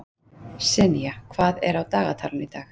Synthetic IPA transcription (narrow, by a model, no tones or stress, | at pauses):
sɛnijakʰv̥aːðɛ̰ɾawt̪aːɣa̰t̪ʰaːlʏnit̪aːx